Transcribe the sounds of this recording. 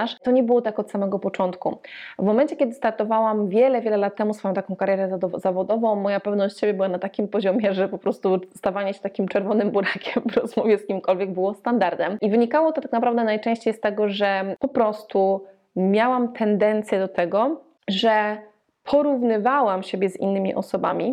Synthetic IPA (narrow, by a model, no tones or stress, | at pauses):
aʂt̪ɔɲɛbɘwɔt̪akɔt̪samɛɡɔpɔt͡ʂɔnt̪kuvmɔmɛnt͡ɕɛkʲɛd̪ɘst̪aɾt̪ɔvawamvʲjɛlɛvʲjɛlɛlat̪̚tːɛmusfɔjɔ̃t̪akɔ̃w̃kaɾjɛɾɛzavɔd̪ɔvɔ̃w̃mːɔjapɛvnɔɕt͡ɕt͡ɕɕebʲjɛbɘwanat̪akʲimpɔʑɔmʲjɛʐɛpɔpɾɔst̪ust̪avaɲɛɕɛ̥t̪akʲimt͡ʂɛɾvɔnɘmbuɾakʲʰɛmvɾɔzmɔvʲjɛskʲimkɔlvʲjɛɡ̚bɘwɔst̪and̪aɾd̪ɛmʔivɘɲikawɔt̪ɔt̪aknapɾavd̪ɛnajt͡ʂɛ̃ɕt͡ɕejst̪ɛɡɔʐɛpɔpɾɔst̪u | mʲjawamt̪ʰɛnd̪ɛnt̪sʲjɛd̪ɔt̪ɛɡɔ | ʐɛ | pʰɔɾuvnɘvawamɕebʲjɛzḭnːɘmʲḭʔɔ̰sɔba̰mʲi